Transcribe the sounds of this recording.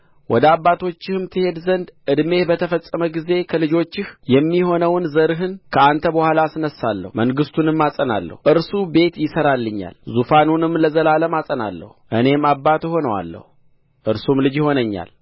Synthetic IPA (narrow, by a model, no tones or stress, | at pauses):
wɔd̪əaβːat̪ʰo̞t͡ʃːɪhɨmt̪ʰɨhe̞d̪zənd̪ʔɨd̪me̞hbət̪ʰəfəsʼːəməɡize̞kʰəlɨd͡ʒo̞t͡ʃːɪhjɛmːiho̞nəwnzəɾɦɨnkʰəant̪ʰəbəhʷalasɨnəsːalːə̰hməŋɡɨst̪ʰunɨmːasʼəna̰lːə̰huʔɨɾsube̞t̪jɪsəɾalːɨɲːa̰lzufanunɨmːləzəlaləmasʼəna̰lːə̰huʔɨne̞mabːat̪honəwa̰lːə̰hu | ʔɨɾsumlɨd͡ʒjɪho̞nəɲːa̰l